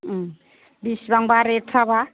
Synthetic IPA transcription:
bisbaŋbaɾetʰaba

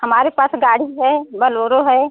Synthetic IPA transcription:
hɐmaːɾepaːsɡaːɽiɦɛbɐloːɾoɦɛ

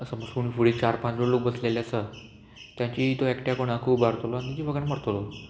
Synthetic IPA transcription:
əsəməsunifuɽiːt̪t͡ɕaɾpat͡ɕloɽlok̚bəslelasə | t̪jãɲt͡ɕit̪oekʈjakoɽ̃akʰuːbaɾt̪oloant̪it͡ɕifəɡəɳməɾt̪olo

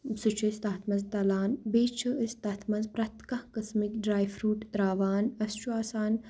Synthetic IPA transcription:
sut͡ʃʰɐst̪aːt̪ʰmɐnzt̪ɐlaːnbeːt͡ʃʰɨʔist̪ɐt̪ʰmɐnzpɾɐt̪kɐhkɐsmikɖɾaːjfɾuːʈɾaːʋaːnɐst͡ʃuaːsaːn

